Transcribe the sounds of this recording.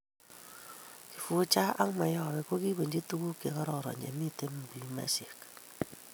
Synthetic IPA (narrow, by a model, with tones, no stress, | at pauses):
ki̥˨fu˨t͡ʃa˦a˦ŋma˨jɔ˨βɛ˨ko˦ki˦be˨ɲd͡ʒi˦tu˦ku˦ke˨kɔ˦ɾɔ˨ɾɔ̰˨ɲḛ˨mi˦te˦m˨bi˨ma̰˦se˨k